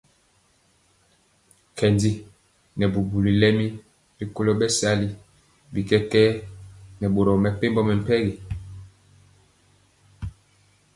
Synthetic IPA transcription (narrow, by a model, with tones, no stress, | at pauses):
kɛ˨ndi˦ | nɛ˨bu˨bu˨li˨lɛ˦mi˦ | bi˦ko˦lo˦ɓɛ˦sa˦li˨ | bi˨kɛ˦kɛ˦nɛ˨ɓo˨ɾɔ˨mɛ˨pe˦mbɔ˦mɛ˨m˨pɛ˦ɣi˨